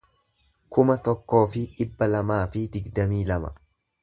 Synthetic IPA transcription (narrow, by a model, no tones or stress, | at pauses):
kʊmɐt̪ɔkːo̞ːfɪᶑɪbːɐlɐmaːfɪd̪ɪɡd̪ɐmiːlɐmɐ̰